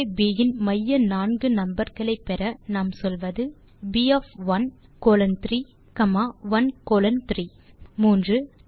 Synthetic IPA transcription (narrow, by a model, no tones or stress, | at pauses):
biːjɪnmɐjːɐnaːnɡɯnɐmbɐɾɣɐɭɐɪpːɛɾɐnaːmsɔlʋɐðɯ | biɐfʋɐnkoːlɐnt̪ɾi | kɐmaːʋɐnkoːlɐnt̪ɾi | muːndrɯ